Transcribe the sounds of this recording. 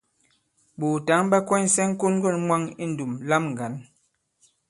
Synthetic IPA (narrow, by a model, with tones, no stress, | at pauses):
bu˨ta˨˦ŋba˦kwɛ˦n̩˦sɛ˦ŋ˦ko˦n˦ɡɔ˦˨nmwa˦ŋi˦n̩˨du˨mla˦mŋ˨ɡa˨˦n